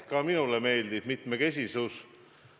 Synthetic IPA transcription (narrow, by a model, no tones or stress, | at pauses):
kɑminuleme̞ːld̪ib̥mit̪meke̞s̬ʲisus